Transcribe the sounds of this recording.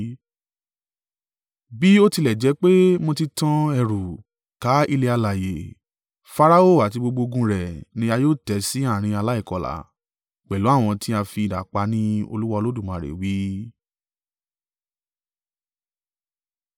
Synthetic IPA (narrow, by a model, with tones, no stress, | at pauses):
bi˦o˦ti˧lɛ˨d͡ʒɛ˨˦k͡pe˦mõ˧ti˧tã˦ɛ˧ɾu˨ | ka˨˦i˧le˧a˧la˨je˨ | fa˧ɾa˦o˦˨a˨t̬i˧ɡ͡bo˧ɡ͡bo˧ɡũ˧˦ɾɛ˨nĩ˧˦a˧joː˦˨tɛ˨˦si˨˦a˦˨ɾ̃ĩ˧a˧la˦i˦˨kɔ˨la̰˨ | k͡pɛ˨lo˨˦a˦˨w̃ɔ̃˧ti˦a˧fi˧˨da̰˨k͡pa˧nĩ˦o̰˧lu˦wa˧lo˦dũ˦˨mã˨ɾḛ˨wi˨˦